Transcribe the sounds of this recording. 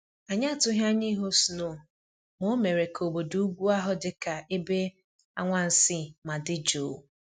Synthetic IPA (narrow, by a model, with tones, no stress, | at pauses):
a˨ɲa˦˨tʊ˦ɦa˦ɲi˦ɦo˦su˨no˨ | mo˦me˨ɾe˨kʰo˨bo˨du˨u˦ɡʷu˦a˦ɦʊ˦dɪ˨ka˨e˦be˦ | a̰˦ŋʷa˦n̩˨sɪ˦ma˨dɪ˦d͡ʒo˨